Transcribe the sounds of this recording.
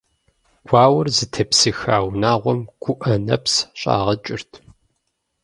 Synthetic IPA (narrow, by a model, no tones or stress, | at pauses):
ɡ̥ʷɑːwʊrzɨtʰɐpsɨxaːwnaːʁʷɔmɡ̥ʷʊʔɐnɐ̰psɕʼa̰ːʁɐt͡ʃʼɪrtʰ